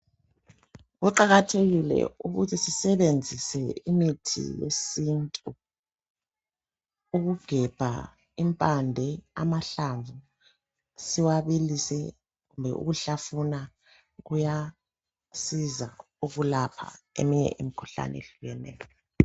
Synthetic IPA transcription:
ɣuǃaɣatʰeɣilɛ̰uɣutʰisisɛβend͡zʱisɛimitʰḭjḛsintʼu | uɣuɡ̥ʱɛb̥ʱa̰ | impʼandʱɛa̰maɬaɱvʱu | siwaβilisɛ | ɣumbʱɛ̰ʔṵɣuɬafuna | ɣuja | siza | uɣulapʰa̰ḛmiɲɛ̰ʔimikʰu̥ɬa̰nɛḛɬuɣɛnɛ̰ːjɔɔ

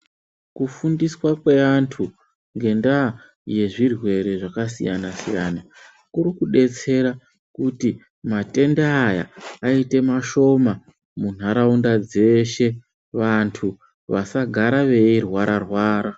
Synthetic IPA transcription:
kufundiswakweantʰu | ŋɡe̞nda | je̞ʐirwe̞ɾe̞ʐakasḭjanasḭjana | kuɾikuɗe̞t͡se̞ɾa | kuti | mate̞ndeaja̰ːite̞maʃo̞ma | mun̤ɦaɾaundad͡ze̞ʃe̞ | ʋantʰu | ʋasaɡʱaɾaʋe̞irwaɾʔarwaːɾa

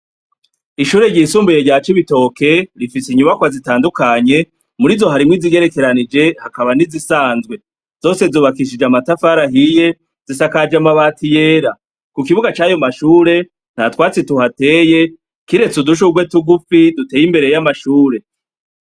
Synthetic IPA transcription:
iʃuːɾe̞ɟiːsuːmbijeɟaːt͡ʃiβito̞ke̞ɾifisiɲuβakwazitaːndukaɲe̞ | muɾizo̞ɦaɾimŋwiziɡe̞ɾe̞ke̞ɾanid͡ʒe̞hakaβanizisaːnzɡwe̞ | z̥o̞ːse̞zuːβakiʃid͡ʒamatafaɾaɦije̞ | z̥isakad͡ʒamaβaːtije̞ːɾa | kukiβuɡat͡ʃaːjo̞maʃuːɾe̞ | n̥hatwaːt͡situhate̞ːje̞ | kiɾe̞t͡suduʃ̬uɡwe̞tuɡufidutejimbe̞ɾe̞jamaʃuːɾe̞

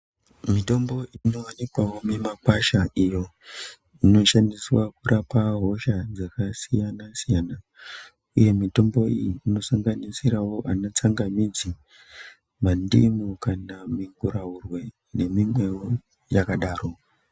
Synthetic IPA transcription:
mito̞mbo̞ino̞wanikwawo̞memakwaʃaʔijo̞ | ino̞ʃandiswakurʔapaɦo̞ʃad͡zakasijanasijaːna | uje̞mito̞mbo̞ijiːno̞saŋɡanisiɾawo̞ʔanot͡saŋɡamid͡zi | mandḭmukanamiŋɡuɾaurwe̞ | ne̞mimwe̞wo | jakaɗaːro̞

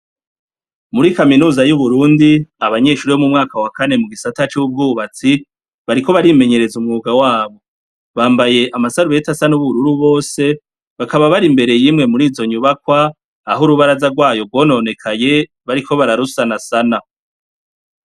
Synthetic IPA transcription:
muɾikaminuːzajuβuɾuːndiaβaɲe̞ːʃuɾiomumŋaːkawakane̞muɡisatat͡ʃub̚ɡuːβat͡si | βaɾiko̞βaɾime̞ɲe̞ɾe̞zumŋuːɡawaːβo̞ | βaːmbaje̞ʔamasaɾuβe̞tasanuβuɾuɾuβo̞ːse̞ | βakaβaβaɾimbe̞ɾe̞jimŋe̞muɾiːzo̞ɲuβakwaː | ɦuɾuβaɾazaɾɡwaːjo̞bɡwo̞ːno̞ne̞kʰaje̞ | βaɾiko̞βaɾaɾusanasana

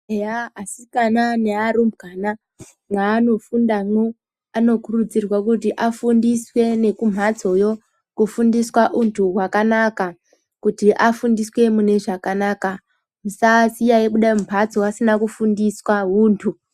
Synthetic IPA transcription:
eaːsikananeaɾumbɡana | mwaːno̞fundamwo | ano̞kurud͡zirwakutiʔafundiswe̞ne̞kum̤ʱat͡so̞jo̞ | kufundiswaʔuntʰuɦwakanaka | kutiʔafundiswe̞mune̞ʐakanaːka | musasijajekuɗaompʰat͡soasinakufundiswaɦuːntʰu

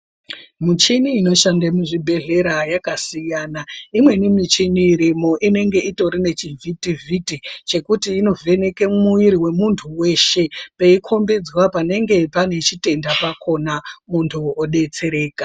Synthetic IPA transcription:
mut͡ʃiniːno̞ʃandemuʐibʱe̞ɮe̞ɾajakasijaːnaimwe̞nimit͡ʃiniɾimo̞ʔine̞ŋɡe̞ito̞ɾine̞t͡ʃivʱitivʱitit͡ʃe̞kutiːno̞ve̞ne̞kemuiɾiwe̞muntʰuwe̞ːʃe̞peikʰo̞mbe̞d͡zwapane̞ŋɡe̞pane̞t͡ʃite̞ndapakʰo̞namuntʰuoɗe̞t͡se̞ɾe̞ːka

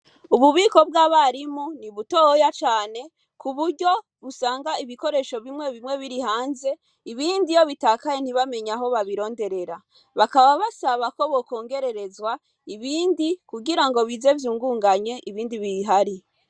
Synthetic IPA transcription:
uβuβiːko̞bɡaːβaɾimuniβutohojat͡ʃaːne̞ | kʰuβuɾɟo̞ | βusaːŋɡaiβiko̞ɾe̞ʃo̞βimwe̞βimŋe̞βiɾihaːnze̞ | iβiːndijo̞βitaːkajen̥iβame̞ɲaɦo̞βaβiɾo̞ːnde̞ɾe̞ɾa | βakaβaβasaβako̞βo̞ko̞ːŋɡe̞ɾe̞ɾe̞zwa | iβiːndikuɡiɾaŋɡo̞βize̞vjuːŋɡuːŋɡaɲe̞ʔiβiːndiβiɦaɾi

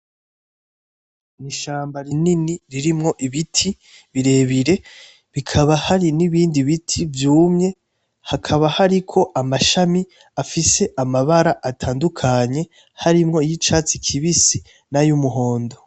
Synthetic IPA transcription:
niʃaːmbaɾininiɾiɾimŋo̞ʔiβitʰi | βiɾe̞βiɾe̞ | βikʰaβahaɾiniβiːndiβitʰivjuːmɲe̞ | hakʰaβahaɾikʰo̞ʔamaʃami | afise̞ʔamaβaɾaʔatʰaːndukʰaɲe̞ | haɾimŋo̞jit͡ʃaːt͡sikʰiβisi | najumuɦo̞ːndo̞

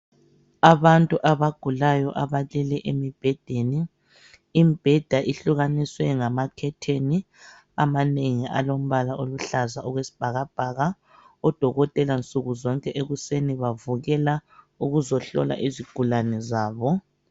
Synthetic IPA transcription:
aβantʼuʔaβaɡ̥ʱulajɔʔaβalɛlɛʔemib̥ʱɛd̥ʱeniː | mb̥ʱɛd̥ʱaʔiɬuɣaniswɛŋamakʰɛtʰeni | a̰maneŋiʔa̰lom̩βalaʔoluɬazaɔɣwesi̥b̥ʱaɣab̥ʱaɣa | ɔd̥ʱɔɣɔtʼɛlant͡sʼuɣuzɔŋkʼɛʔeɣuseniβavuɣɛla | uɣuzɔɬɔ̰la̰ʔiziɡ̥ʱulanɛzaːβɔ

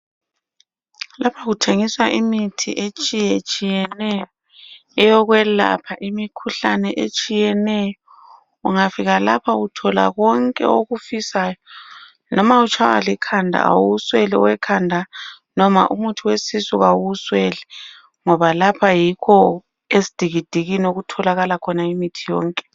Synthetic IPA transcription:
lapʰaɣutʰeŋiswaʔimitʰiʔet͡ʃʼijɛt͡ʃʼijɛnɛjɔ | ɛjɔɣwɛla̰pʰaʔimikʰuɬanɛʔet͡ʃʼijɛnɛjɔ | uŋafiɣalapʰautʰɔla̰ɣɔŋkʼɛ̰oɣufisaːjɔ | nʔɔmaut͡ʃʰawa̰likʰandʱa̰a̰wuswɛlɛ̰wɛkʰandʱa | nɔma̰ʔumutʰuwesisuɣawuswɛlɛ | ŋɔβalapʰajikʰɔ | esi̥d̥ʱiɣid̥ʱiɣinoɣutʰɔlaɣalakʰɔnaimitʰijɔ̰ːŋkʼɛ̥

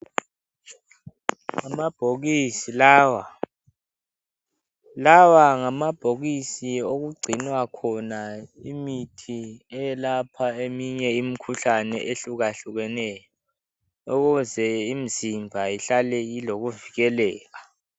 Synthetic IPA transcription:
ŋamab̥ʱoɣisilawa | lawaŋamab̥ʱoɣisioɣuɡ͡ǀʱinwakʰɔnaimitʰiɛjɛlapʰaemiɲɛimikʰuɬanɛ̰ʔeɬuɣaɬuɣɛnɛjɔ | uɣuzɛim̩zimbʱajiɬalɛiloɣuviɣɛlɛːɣa

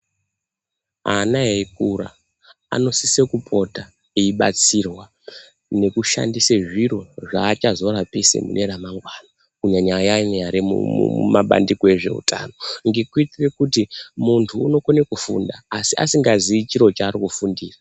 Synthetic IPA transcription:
anaɦek̚ura̰ | a̰no̞sisekupʰo̞ta | eiɓa̰t͡sirwa | ne̞kuʃa̰ndiseʐiɾo̞ʐaːt͡ʃazo̞ɾapesḛmṵnʔe̞ɾamaŋɡwaːna | kuɲaɲajaneaɾimṵmaɓa̰ndikoe̞ʐe̞̰ṵta̰ːno̞ŋɡikwit͡sirekutimuntʰuːno̞konekufṵndaːsia̰siŋɡaziit͡ʃiɾo̞t͡ʃaːrikufundiːra

